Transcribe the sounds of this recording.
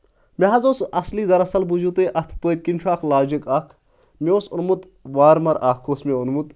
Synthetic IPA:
meɦɐzoːsɐsliːd̪ɐɾɐsɐlbuzut̪eːʔɐt̪ʰpəːt̪̚ʲkinʲt͡ʃʰaːkʰlaːd͡ʒikɐkʰ | mioːsunmut̪ | ʋaːɾmɐɾaːkʰoːsmeunmut̪

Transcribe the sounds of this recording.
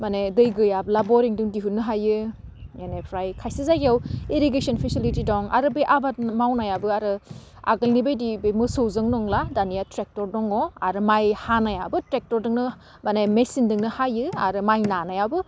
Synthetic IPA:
manedɯjɡɯjabɯlabɔɾiŋdɯŋdiɦut̚nɯɦajɯ | jenepʰɾajkʰajsizaɡiaweɾiɡesɔnpʰisilitidɔŋa̰ɾɯbeʔabat̚mawnajabɯaɾɯ | a̰ɡɯlnibɯjdibemɯsɯwzɯŋnɔŋladanijatɾek̚tɔɾdɔŋɔaɾɯmajhanajabɯtɾek̚tɔɾdɯŋnɯ | manemesindɯŋnɯhajɯa̰ɾɯmajnanajabɯ

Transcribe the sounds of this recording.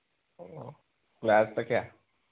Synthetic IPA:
o | klast̪əkja

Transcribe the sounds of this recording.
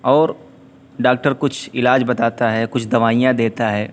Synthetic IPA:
ɔːɾ | ɖaːk̚ʈəɾkʊt͡ʃʰɪlaːd͡ʒbɐt̪aːt̪aɦɛkʊt͡ʃʰd̪ɐʋaːijãd̪eːt̪aɦɛː

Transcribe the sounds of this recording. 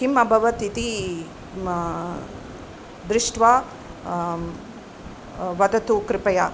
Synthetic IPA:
ɦimɐbʱɐʋɐt̪it̪i | d̪ɾɪʂʈʋaː | ʋɐd̪ɐt̪ukɾɪpɐja

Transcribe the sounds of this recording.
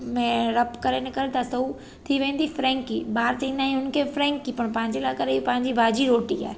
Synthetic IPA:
mẽɾɐpkɐɾenɪkəɾt̪ʰasɐu | t̪ʰiʋẽːn̆d̪ifɾɛ̃ːŋkiːbaːɾt͡ɕĩːnaːɦĩɦʊnkʰeːfɾɛ̃ːŋkːipɐɽ̃pɐ̃ɦɪ̃ɲd͡ʑelaːkɐɾepɐ̃ɦɪ̃ɲd͡ʑibʱaːd͡ʑiɾoːʈia̰ːɦ

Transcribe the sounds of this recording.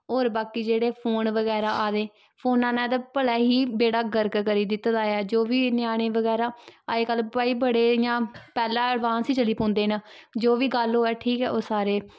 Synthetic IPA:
oːɾbaːkiːd͡ʒeːɽeːpʰoːnʋəɡɛːɾaːʔaːd̪eː | pʰoːnãːnɛ̃ːd̪aːpəlɛːɦiːbeːɽaːɡəɾkkəɾiːd̪ɪt̪ːd̪aːɛːd͡ʒoːʋiːnɪaːɽ̃eːʋəɡɛːɾaːaːeːkəlbəiːbəɽeːjãːpɛːlaːəɽʋãːnsiːt͡ʃəliːpɔ̃ːnd̪eːnaːd͡ʒoːʋiːɡəloːɛːʈʰiːkɛːʔoːsaːɾeː

